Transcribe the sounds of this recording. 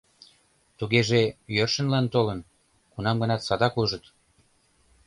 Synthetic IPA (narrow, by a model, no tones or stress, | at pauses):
t̪uɣeʒejørʃə̆nlɑnt̪olən | kunɑmɡənɑt̪sɑd̪ɑkuʒət̪